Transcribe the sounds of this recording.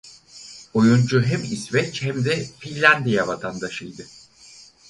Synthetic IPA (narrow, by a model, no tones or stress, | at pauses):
ojund͡ʒuɦɛmisvɛt͡ʃhɛmd̪ɛfinlʲænd̪ijavat̪ʰand̪aʃɯjd̪ɯ